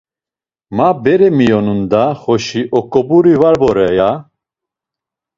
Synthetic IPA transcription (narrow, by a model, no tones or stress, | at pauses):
mabɛɾɛmijɔnund̪aχɔʃiʔɔkʼɔbuɾivaɾbɔɾɛja